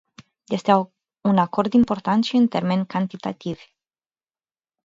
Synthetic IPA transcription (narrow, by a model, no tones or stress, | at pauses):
je̞st̪e | unako̞rd̪impo̞rt̪ant̪ʃiɨnt̪e̞rme̞nʲkant̪it̪a̰t̪iv